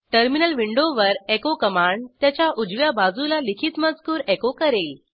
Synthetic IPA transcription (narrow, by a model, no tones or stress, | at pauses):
ʈəɾminəlʋiɳɖoʋəɾekokəmaɳt̪jat͡ɕjaʔud͡zʋjabad͡zulalikʰiːt̪məd͡zkuːɾekokəɾel